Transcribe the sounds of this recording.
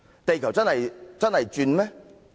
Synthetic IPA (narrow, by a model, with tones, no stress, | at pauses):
t̪e˨jkʰɐ˨˩wt͡sɐ˥nhɐ˨jt͡sɐ˥nhɐ˨jt͡ʃyː˧nmɛː˥